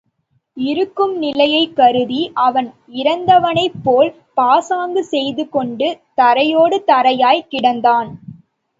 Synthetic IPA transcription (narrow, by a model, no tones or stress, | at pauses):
ɪɾɯkːɯmnɪlɐjɐɪkːɐɾɯðiʔɐʋɐn | ɪɾɐnd̪ɐʋɐnɐɪpːoːl | paːsaːŋɡɯsɛjðɯkɔɳɖɯt̪ɐɾɐjoːɽɯt̪ɐɾɐjaːjkɪɽɐnd̪aːn